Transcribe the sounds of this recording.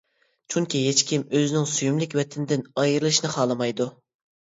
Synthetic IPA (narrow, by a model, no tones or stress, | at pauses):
t͡ʃʰuŋkʲiɦet͡ʃkʲimøzɪnɪŋsujumlɪkʲwɛt̪ʰɪnd̪ɪnɑjɾlˠɨʃnɨχɑːlˠɨmɑjd̪u